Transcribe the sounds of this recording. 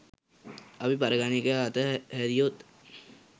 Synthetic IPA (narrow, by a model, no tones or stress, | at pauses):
apipaɾəɡanikəat̪əhæɾijot̪